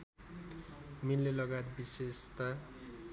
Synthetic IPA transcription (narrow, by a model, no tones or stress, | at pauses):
milːelʌɡat̪bisest̪a